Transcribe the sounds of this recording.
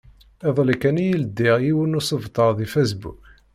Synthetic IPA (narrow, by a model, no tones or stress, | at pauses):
ɪðˤləkːænijəld̪ːiʁiwənusəvt̪ˤəɾðifæsbṵk